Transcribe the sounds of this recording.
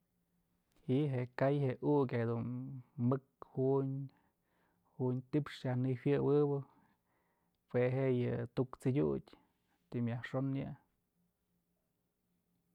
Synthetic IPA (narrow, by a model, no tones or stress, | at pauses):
hiʔɦeʔkajheʔukʲed̪unmɨkhuʔɲ | huɲt̪ipʂjahnɨwʲjɨwɨbɨ | weɦeʔjɨt̪ukt͡sidʲudʲ | t̪imʲjahʂonjɨ̰